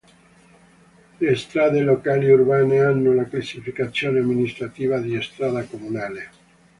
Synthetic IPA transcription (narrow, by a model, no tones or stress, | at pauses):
lest̪ɾaːd̪elokaːliurbaːneanːolaklasːifikat̪sːjoːneamːinist̪ɾat̪iːvad̪iest̪ɾaːdakomunaːle